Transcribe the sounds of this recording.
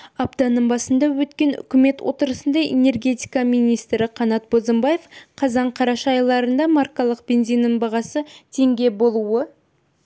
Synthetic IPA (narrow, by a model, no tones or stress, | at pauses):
ɑbt̪ɑnəmbɑsənd̪ɑwɵt̪kʲe̞nʏ̰kʲɪme̞t̪wʔo̞t̪əɾəsənd̪ɑʔḛne̞rɡʲe̞t̪ʲijkɑmijnijst̪ɾɪqʰɑnɑt̪̚bozəmbɑje̞fqʰɑzɑɴqʰɑɾɑʃɑjlˠɑɾənd̪ɑmɑrkalˠəqb̥ʲe̞nzijnəmbɑʁɑsət̪ʰe̞ŋɡʲe̞bo̞lˠuə